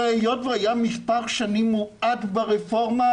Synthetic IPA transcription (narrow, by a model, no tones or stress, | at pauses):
ejotveajamispaʁʃanimːuat̪baʁefo̞ʁma